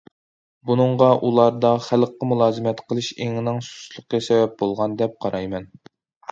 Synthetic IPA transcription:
bunɨɴʁɑʔulˠɑɾd̪ɑχælqːəmulˠɑːzɨmɛt̪qʰəlˠɨʃeŋɪnɪŋsu̥slˠʊqɡɛsɛvɛp̚bolˠʁɑnd̪ɛp̚qʰɑɾʔɑjmɛn

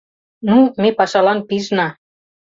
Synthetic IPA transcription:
numepɑʃɑlɑnpiʒnɑ

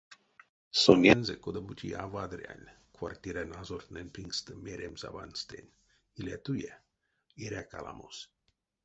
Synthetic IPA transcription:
sonʲenzekod̪abut͡ʃʰiavad̪ɾia̰nʲkʰwart̪ʲiɾanazort̪nenpiŋɡst̪əmeɾʲemza̰banst̪ḛnʲ | ilʲat̪uje | iɾʲakalʔa̰mos

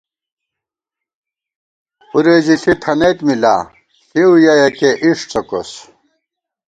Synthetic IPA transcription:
uɾeːziɬit̪ʰɐnet̪mila̰ː | tʰiujajɐkeʔiʂt͡sɐko̰s

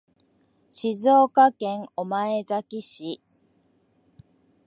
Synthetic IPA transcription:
ɕizoːkakẽ̞ŋomaezakʲiɕi

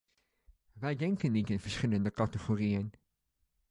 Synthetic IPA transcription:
ʋɛjdɛŋkənːitanvəɹsχɪləndəkɑtəχorijən

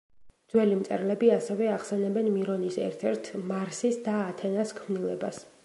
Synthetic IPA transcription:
d̪zwɛlimt̪sʼɛɾlɛbiasɛvɛaχsɛnɛbɛnmiɾɔnisɛ̰ɾt̪ʰɛɾt̪ʰmaɾsisd̪aːt̪ʰɛnaskʰmnilˠɛbas

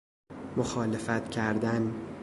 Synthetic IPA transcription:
moxɒːlefæt̪cʰæɾd̪æn

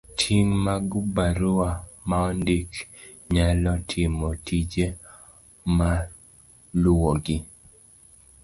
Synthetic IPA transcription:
tʰiŋmaɡubaɾʊamaɔndik | ɲalɔtʰɪmɔtʰid͡ʒe | ma | lʊwoɡɪ

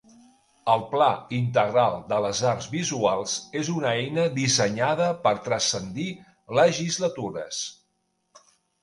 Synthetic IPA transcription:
əlˠplaint̪̬əɣɾalˠd̪ələzaɾzβizualˠz̥ezunəɛjnəðisəɲaðəpəɾt̪ɾəsənd̪i | ləʒizlət̪uɾə̰s

